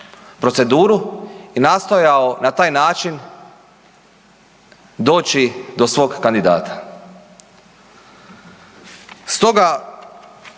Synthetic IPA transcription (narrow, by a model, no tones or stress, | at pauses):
pɾose̞d̪uːɾuinast̪o̞jaonat̪aːjnaːt͡ʃin | d̪o̞ːt͡ʃid̪o̞sʋo̞ɡːand̪id̪a̰ːt̪ḁ | st̪o̞ɡa